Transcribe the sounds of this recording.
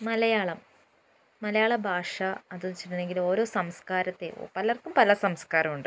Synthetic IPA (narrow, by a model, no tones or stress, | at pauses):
mɐlɐjaːɭɐmː | ɐlɐjaːɭɐbʱaːʂɐɐðunt͡ɕiɾne̞ŋɡilo̞ːɾo̞ːsɐmskaːɾɐt̪ːe̞̰pɐlɐrkːumpɐlɐsɐmskaːɾɐmuɳɖɨ